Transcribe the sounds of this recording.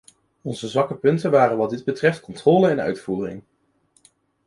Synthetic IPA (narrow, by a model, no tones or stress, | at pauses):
ɔnzəzʋɑkəpɵntənʋaːrənʋɑdɪd̚bətrɛftkɔntrɔːləɛnœ̰ɥtfuːrɪ̰ŋ